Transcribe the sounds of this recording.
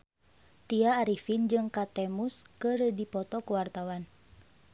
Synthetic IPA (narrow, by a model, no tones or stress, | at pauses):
t̪iaːɾifind͡ʒɨŋkat̪ɛmuskərdipɔt̪ɔkuwart̪awan